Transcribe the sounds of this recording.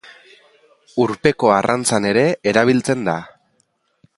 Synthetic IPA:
uɾpe̞ko̞arʔant͡sane̞ɾe̞eɾaβ̞ilt͡se̞nd̪a

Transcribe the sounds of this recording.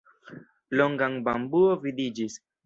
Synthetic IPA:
loŋɡaŋbambuovidid͡ʒis

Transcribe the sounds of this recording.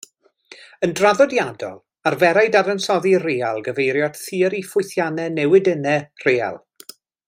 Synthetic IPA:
əndraðɔdjadɔ̰lˠ | arvɛɾajdaɾənsɔðireːalˠɡəvejɾjɔd̥θiːəɾifʊjθjanɛnɛwɪdənɛr̥eːa̰lˠ

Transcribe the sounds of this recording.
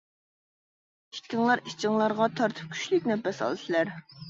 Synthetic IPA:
i̥kʲɪŋlˠɑɾikɪŋlˠɑɾʁɑt̪ʰɑɾt̪ʰɨ̥p̚kʲʰy̥ʃlykʲnɛpːɛsɑ̰lˠɨt̪ʰɨlæɾ

